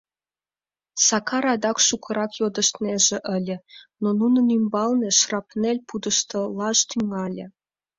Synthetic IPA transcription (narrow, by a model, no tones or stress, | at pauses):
sɑkɑɾɑd̪ɑkʃukʰə̆ɾɑkjod̪ə̆ʃt̪neʒĕʔəlʲĕnonunə̆nymbɑlnĕʃrɑpnelʲpud̪ə̆ʃt̪ə̆lɑʃt̪yŋɑlʲĕ